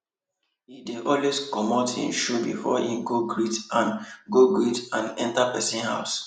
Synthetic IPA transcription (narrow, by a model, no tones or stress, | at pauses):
hideʔɔlweskɔmɔtḭ̃nʃobḭfɔ̰hĩmɡoɡɹitãnɡoɡɹitãnɛ̰̃ntapɛsĩnha̰ʊs